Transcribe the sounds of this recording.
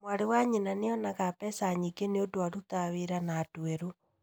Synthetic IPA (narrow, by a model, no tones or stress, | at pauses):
mwaɾewaɲenaneɔnaɣapɛsaɲiɡeneodoaɾutaβeɾanaːtuɛɾo